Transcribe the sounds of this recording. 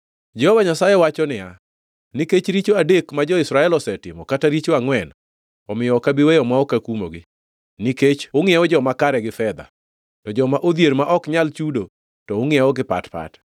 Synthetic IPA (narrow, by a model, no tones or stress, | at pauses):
d͡ʒɛhovaɲasajɛwat͡ʃɔnɪja | niket͡ʃɾit͡ʃoadekmad͡ʒɔɪsɾaɛlɔsɛtɪmɔkataɾit͡ʃoaŋwɛn | ɔmɪjɔkabiwɛjɔmwaɔkakumo̰ɡɪ | niket͡ʃoŋɪɛɔd͡ʒɔmakaɾɛɡɪfɛd̪a̰ | tɔd͡ʒɔmaʔod̪jeɾmaʔɔkɲalt͡ʃudo | tɔoŋɪɛɔɡɪpa̰tpa̰t